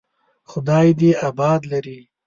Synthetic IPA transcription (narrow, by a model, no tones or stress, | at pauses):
xʊd̪ɑːjd̪eabɑːd̪laɾi